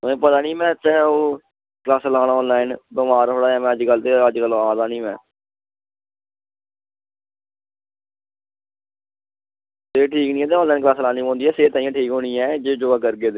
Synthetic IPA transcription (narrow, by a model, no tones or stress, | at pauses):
ẽːpət̪aːnĩːmɛ̃ːtɛːoː | klaːslaːnɔːnlaːɪnbəmaːɾɦoːɽaːãːmɛ̃ːəd͡ʒɡəlt̪eəd͡ʒkəlaːd̪aːnĩːmɛ̰̃ː | t̪eːʈʰiːknĩːɛːt̪eːɔ̃ːnlaːɪnk̬laːslaːniːõːnd̪iːɛːseːt̪aːjãːʈʰiːkɦoːniːɛːd͡ʒed͡ʒoːaːkəɾɡeːd̪e